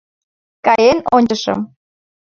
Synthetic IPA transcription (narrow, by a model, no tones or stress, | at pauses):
kɑjenonʲt͡ɕəʃə̰m